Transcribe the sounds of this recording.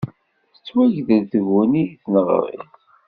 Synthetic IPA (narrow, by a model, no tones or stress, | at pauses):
θə̥t͡sːwæʝðəlθəɣuniθnəʁ̰ɾˤḭθ